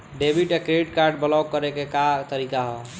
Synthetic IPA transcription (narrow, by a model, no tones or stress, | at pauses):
ɖebʱiʈekɾeiʈkaɾɖ̚bəlawkəɾekekat̪əɾikaɦɔ